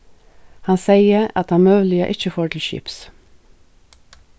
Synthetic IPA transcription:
hɑnseɪəɑt̪ɑnmøːʋlɪə̰ʔɪçəfoːʈʰl̩ʃy̰ːps

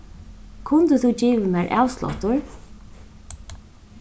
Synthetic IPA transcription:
kʰʊnt̪əθut͡ʃiːʋəmɛːɹʔa̰wslɔ̰t̪ʊɹ

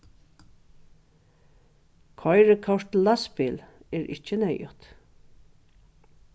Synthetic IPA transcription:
kʰɔjɹəkʰɔʂt̪laspɪlɛːɹʔɪ̰t͡ʃːənɛjʊt̪

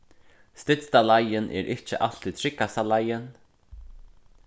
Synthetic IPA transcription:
st̪ɪt̪st̪alajɪnʔɛ̰ɾʔɪht͡ʃəʔal̥t̪it̪ʰɾɪkːast̪alajɪn

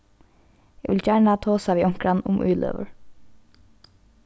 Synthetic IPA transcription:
jɛɡʋɪlt͡ʃæːɳat̪ʰoːsaʋiːɔŋ̥kɾanʊ̰mʔʉ̰ːlʔø̰ːʋə̰ɹ

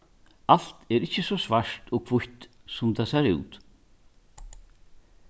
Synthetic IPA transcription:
al̥t̪ɛɾɪhcːəsɔsvaɹ̥t̪ɔːkʰvʊçt̪sʊmt̪ʰasɛɾʉ̰ːt̪

